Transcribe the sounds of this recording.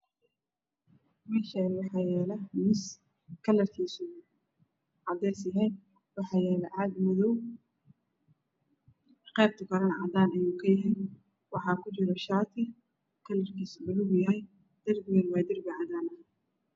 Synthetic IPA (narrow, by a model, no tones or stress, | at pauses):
mɛʃɐnwɑħɑːjɛːlɐmɪs | kʰɐlɐrkʰiːsu | ʕɑd̪ɛːsjɐɦɛj | wɑħɑːjɛːlɛʕɑd̪mʊðɔw | qɛːb̚t̪ʰɐkʰɐɾɐnʕɑd̪aːnɐjuːkʰɐjɐɦɛj | wɑħɑːkʰʊt͡ʃɪɾɔʃaːt̪ʰɐ | kʰɐlɐrkʰiːsʊbʊlʊɡjɐhɛj | d̪̥ɐrɡjɛnwaːd̪ɪrɡɐʕɑd̪aːnɐ